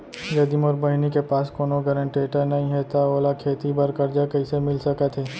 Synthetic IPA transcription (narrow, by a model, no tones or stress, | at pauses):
jɐd̪imɔːɾbɐɦɪnikepaːskoːnoɡɐɾə̃ɳʈeːʈənɐɦĩɦɛt̪aoːlakʰeːt̪ibɐɾkɐɾd͡ʒakɐɪsemɪlsɐkat̪ɦɛː